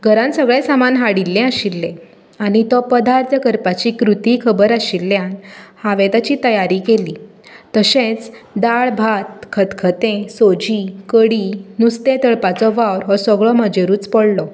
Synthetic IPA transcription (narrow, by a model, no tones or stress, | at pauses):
ɡʱəɾãnsəɡɭesamanɦaɽilːɛ̃əɕilːẽ | aɽ̃it̪ɔpəd̪ʱaɾt̪ʰəkəɾpat͡ɕikɾut̪ikʰəbəɾaɕilːjanhaʋet̪at͡ɕit̪əjaɾikeliː | t̪əɕẽt͡sd̪aɭbʱat̪̚kʰət̪kʰət̪ẽsod͡ʑikəɽinust̪ẽt̪əɭpat͡sɔʋawɾɦɔsɔɡɭɔməd͡ʑeɾuːt͡spɔɽlɔ